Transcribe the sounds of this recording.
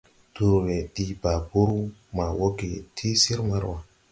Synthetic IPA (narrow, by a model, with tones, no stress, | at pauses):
d̥u˨ɾwe˨ɗi˦ba˨bu˦ɾu˦ma˨wo˦ɡe˨tʰi˦si˦ɾma˦ɾwa˨